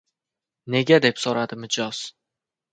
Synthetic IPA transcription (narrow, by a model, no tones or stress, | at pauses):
ne̞ɡʲad̪e̞psoɾad̪ɪmɪd͡ʒɒz̥